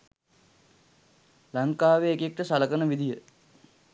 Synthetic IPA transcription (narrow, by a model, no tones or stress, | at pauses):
laŋkaːʋeːkek̚ʈəsaləkənəʋid̪ijə